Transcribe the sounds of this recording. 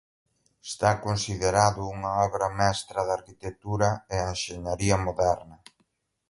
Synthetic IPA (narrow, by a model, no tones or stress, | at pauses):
est̪akonsiðeɾaðʊuŋɐɔβɾɐmɛst̪ɾɐðaɾkit̪ek̚t̪uɾɐeenʃeɲaɾiɐmoðɛɾnɐ